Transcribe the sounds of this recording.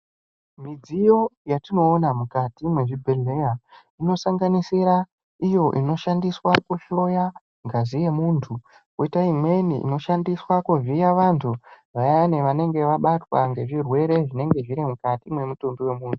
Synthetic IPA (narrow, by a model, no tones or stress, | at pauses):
mid͡zijo̞jatino̞ːnamukatimwe̞ʐibʱeɮe̞ja | ino̞saŋɡanisiɾa | ijo̞ʔino̞ʃandiswakuɬo̞ja | ŋɡazije̞muːntʰu | koitaimwe̞niʔḭno̞ʃandiswakuvijaʋantʰu | ʋajaaneʋane̞ŋɡe̞ʋaɓatwaŋɡe̞ʐirwe̞ɾe̞ʐine̞ŋɡe̞ʐiɾimukatimwe̞mutumbiwe̞muːntʰu